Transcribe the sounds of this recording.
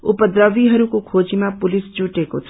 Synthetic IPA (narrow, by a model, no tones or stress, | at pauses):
ṵpəd̪ɾʌbiɦʌɾukokʰod͡zimapulisd͡ʒuʈeko̰t͡sʰ